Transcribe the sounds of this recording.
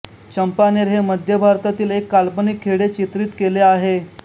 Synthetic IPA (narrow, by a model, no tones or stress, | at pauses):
t͡ɕəmpaneɾɦeməd̪ʱjəbʱaɾt̪at̪iːlekːalpənikʰːeɽet͡ɕit̪ɾiːt̪keleaɦe